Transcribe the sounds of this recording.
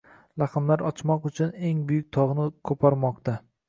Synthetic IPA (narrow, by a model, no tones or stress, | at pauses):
lɑqɨmlaɾɒt͡ʃʰmɒqʊt͡ʃʰʊne̞ŋbʊjʊk̚ʲt̪ʰɒʁnɪkʰɵpʰɒɾmɒq̚t̪ʰa